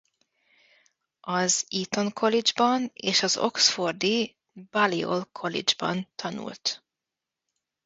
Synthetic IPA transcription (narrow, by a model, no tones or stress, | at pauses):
ɒziːt̪o̞ŋkʰo̞lid͡ʒbɒneːʃɒzo̞̰ksford̪i | bɒlio̰lkʰolḭd͡ʒbɒ̰nt̪ʰɒnṵlt̪